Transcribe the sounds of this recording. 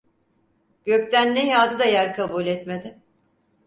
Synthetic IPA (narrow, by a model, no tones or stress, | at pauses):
ɟ̥ø̞ct̪ʰænːejaːd̪ɯd̪ajæɾkʰabuːlʲɛt̪me̞d̪ɪ